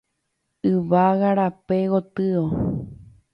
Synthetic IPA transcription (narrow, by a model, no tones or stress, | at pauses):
ɨʋaɣaɾapeɣot̪ɨo